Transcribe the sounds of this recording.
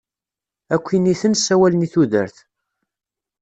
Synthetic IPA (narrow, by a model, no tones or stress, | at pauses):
ækʷːiniθənsæwæləniθuðə̰ɾθ